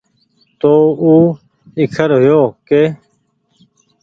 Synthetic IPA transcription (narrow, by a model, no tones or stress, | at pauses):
t̪oːuː | ikʰəɾɦʊjoːkeː